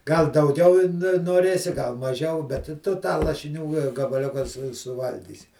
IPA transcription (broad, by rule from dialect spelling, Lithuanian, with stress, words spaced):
ˈɡɐlˠ dɐʊˈɡʲɛʊ ɪ ˈnʊ noːˈrʲeːsʲɪ ɡɐlˠ mɐˈʒʲɛʊ bʲɛt tʊ tɑː lˠɐʃʲɪˈnʲuː ɡɐbɐˈlʲʊkɑː sʊ sʊˈʋɐlʲɡʲiːsʲɪ